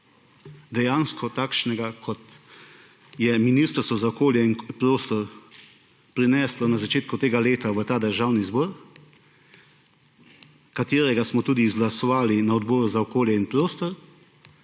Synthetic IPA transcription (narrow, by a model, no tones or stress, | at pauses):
d̪ɛjaːnskʰɔt̪aːkʃnɛɡakʰɔt̪ | jɛminist̪ɾsɔzaɔkoːljɛinpɾoːst̪ɔɾ | pɾinɛːslɔnazat͡ʃeːt̪kut̪eːɡaleːt̪aʋət̪aːd̪əɾʒaːwnizbɔːɾ | kat̪eːɾɛɡasmɔt̪uːd̪izɡlasɔʋaːlinaɔd̪bɔːɾuzaɔkoːljɛinpɾoːst̪ɔɾ